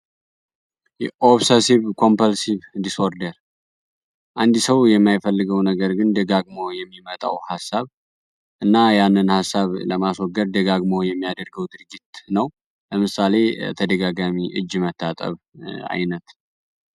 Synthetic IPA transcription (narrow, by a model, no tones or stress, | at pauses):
jɛʔoβsesiβkʰo̞mpʰəlsiβd̪isoɾd̪əɾ | ʔand̪ɨsəwjɛmːajfəlːɨɡəwnəɡəɾɡɨnd̪ɨɡaɡmojɛmːimət̪ʼa̰whasːaβ | ʔɨnːajanːɨnhasːaβləmaswɔɡəd̪d̪ɨɡaɡmojɛmːijad̪əɾɡəwd̪ɨɾɡit̪nəw | ləmɨsale̞t̪ʰəd̪əɡaɡamiʔɨ̰d͡ʒːmət̪ʰːat̪ʼə̰β | a̰jnət̪